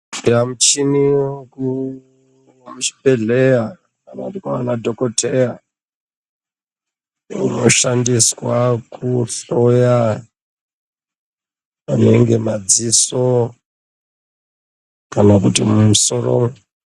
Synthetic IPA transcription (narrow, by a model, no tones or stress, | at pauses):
iramut͡ʃiniku | wamut͡ʃi̥peɮeja | anadikaanadʱokotʰeja | ḭno̞ʃandiswakuɬoja | ane̞ŋɡe̞mad͡ziso | kanakutimumusoro̰m